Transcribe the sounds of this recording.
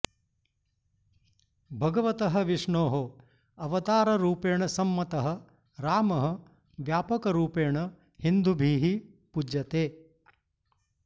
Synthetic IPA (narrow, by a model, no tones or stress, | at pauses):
bʱɐɡɐʋɐt̪ɐɦɐ̆ʋiʂɳoːɦo | ɐʋɐt̪aːɾɐɾuːpeːɳɐsɐmːɐt̪ɐɦɐ̆ | ɾaːmɐɦɐ̆ | ʋjaːpɐkɐɾuːpeːɳɐ | hind̪ubʱiːɦi | pud͡ʒjɐt̪eː